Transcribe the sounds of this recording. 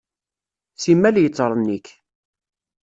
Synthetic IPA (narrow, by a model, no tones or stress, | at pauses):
simːæljət͡sːɾˤənːik